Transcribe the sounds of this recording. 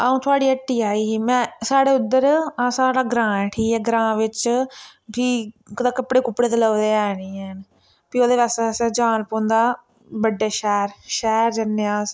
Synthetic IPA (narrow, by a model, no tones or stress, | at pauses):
aːũːt̪ʰʊaːɽiːəʈːiːaːiːmɛ̃ːsaːɽeːʊd̪ːəɾasaːɽaːɡɾãːɛʈʰiːɦɛːɡɾãːʋɪt͡ʃ | piː | kd̪aːkəpɽeːkʊpːɽeːt̪eləːd̪eːaːniːɛːn | piːoːd̪eːʋɛːsasɛd͡ʒaːnpõːnd̪aː | bəɖeːʃɛːɾʃɛːɾd͡ʒənːjaːs